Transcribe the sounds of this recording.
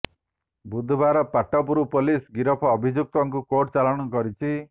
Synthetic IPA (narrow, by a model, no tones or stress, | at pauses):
bud̪ʱbʱaɾɔpaʈːɔpuɾupolisɡiɾɔpʰɔːbʱid͡ʒuk̚t̪ɔŋkukoʈt͡ʃalɔɽ̃ɔkɔɾit͡ʃʰi